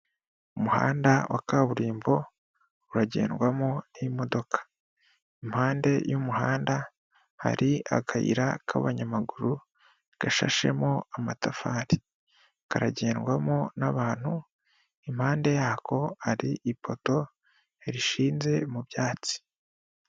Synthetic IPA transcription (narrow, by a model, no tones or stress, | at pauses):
umuha̰ːndawʔakaβuɾiːmbo̞ | uɾaɟe̞̰ːnɡwamoniimo̞do̞kʰḁ | im̥haːnde̞jumuɦaːnda | ha̰ɾia̰kʰaḭɾakʰa̰βaɲamaɡuɾu | ɡ̥aʃa̰ʃe̞̰moamatafaːɾi | kaɾaɟe̞ːnɡwamonaβaːn̥hu | imhaːnde̞jaːko̞haɾiʔipʰo̞to̞ | eɾiʃiːnze̞muβjaːt͡si̥